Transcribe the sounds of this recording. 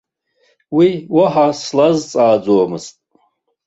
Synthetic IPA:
wiwaħaslazt͡sʼaːd͡zoamɨztʼ

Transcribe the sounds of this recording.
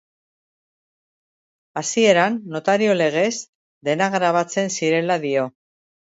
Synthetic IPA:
asie̞ɾanːo̞t̪aɾio̞le̞ɣ̞e̞z | d̪e̞naɣɾaβ̞at͡se̞nsiɾe̞laðio̞

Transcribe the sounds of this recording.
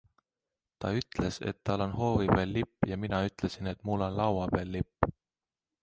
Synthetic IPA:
t̪ɑyt̪ˑle̞se̞̰t̪ːɑlːo̞nɦo̞ːviveːlːipːˑjɑminɑyt̪ˑle̞sine̞t̪mulːo̞nlɑwɑpeːlːipː

